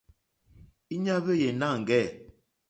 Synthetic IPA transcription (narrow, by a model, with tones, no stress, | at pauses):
i˦ɲa˦βə˦je˨na˦˨ŋ̩˨ɡɛ˦˨